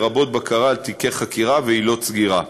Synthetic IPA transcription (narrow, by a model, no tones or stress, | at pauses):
ʁabo̞t̪̚bakʰaʁalt̪ikeχakiʁaveilo̞t͡sɡiʁa